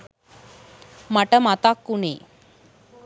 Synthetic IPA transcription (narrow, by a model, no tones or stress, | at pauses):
maʈəmat̪akːune